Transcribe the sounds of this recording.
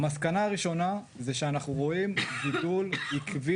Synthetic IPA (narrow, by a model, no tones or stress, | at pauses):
maskanaːʁiʃo̞na | zeʃeanaχnuʁo̞imbidulhikvi